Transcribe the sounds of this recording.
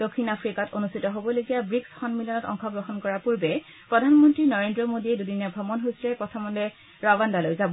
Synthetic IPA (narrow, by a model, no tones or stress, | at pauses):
d̥okʰːinapʰɹikatonustʰitɔɦobɔloɡijabɹiksxɔnmiljɔnɔtɔ̰ŋxɔɡɹɔɦɔnkɔɹapuɹbɛ | pɹɔdʱanmɔntɹinɔɹendɹɔmodiɛdudinabʱɔmɔnɦosɹɛpɔtʰamɔndɛ | ɹawandalojzabɔ